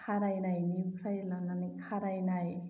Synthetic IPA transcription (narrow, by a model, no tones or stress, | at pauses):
kʰaɾajnajnikʰɾajlananikʰaɾajnaj